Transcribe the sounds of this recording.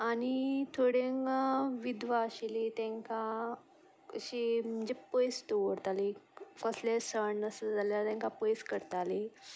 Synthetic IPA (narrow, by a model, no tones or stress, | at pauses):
añit̪ʰoɽeŋʋid̪ʋaɕilit̪ɛ̃ŋka | əɕim̤əɲd͡ʑepəjst̪oʋəɾt̪alikəslesəɳːəsəd͡zaljalat̪ɛ̃ŋkapəjskəɾt̪ale